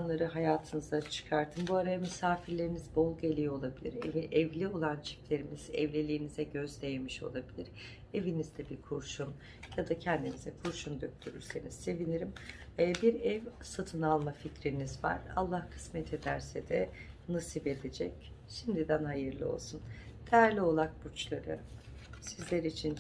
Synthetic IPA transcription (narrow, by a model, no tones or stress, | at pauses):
anlˠaɾɯɦajaːt̪ʰɯnɯzat͡ʃʰɯ̥kʰaɾt̪ʰɯmbuaɾajamysaːfiɾlʲe̞ɾinizbo̞lˠɡelʲijoolˠabilʲḭɾeviʔɛvlʲio̞lˠant͡ʃʰi̥plʲe̞ɾimizɛ̰vlʲelʲiːnizɛɟø̞zlʲe̞jemiʃo̞̰lˠabilʲiɾ̥ | e̞vinizd̪ɛbiɾkʰuɾʃun | jad̪acʰɛnd̪inizɛkʰuɾʃund̪øk̚t̪ʰyɾy̰ɾse̞niz̥se̞viniɾimː | biɾɛvsat̪ʰɯnalˠmaficɾinizva̰ɾ̥a̰lˠːahkʰɯ̥smɛt̪ʰe̞d̪æɾsɛd̪ɛ | nasipe̞d̪ed͡ʒɛcʃimd̪id̪ænhajɯɾlˠɯ̰o̞̰lˠsun | d̪̥ejæɾlʲio̞lˠak̚but͡ʃlˠaɾɯ̰ | sizlʲeɾit͡ʃʰin